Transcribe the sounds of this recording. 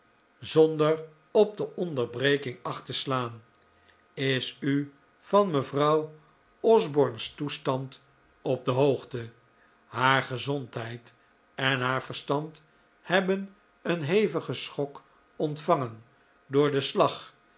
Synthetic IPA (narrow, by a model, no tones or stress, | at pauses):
zɔndər | ɔb̚dəʔɔndəɹbrejkɪŋɑχtəslaːn | ɪsy | fɑnməvrɑw | ɔzbɔɹnstustɑnt | ɔp̚dəɦowχtə | ɦaːɹχəzɔntɦɛjt | ɛnɦaːɹvəɹstɑnt | hɛbən | ənɦejvəχəsχɔk | ɔntfɑŋən | dʊːɹdəslɑχ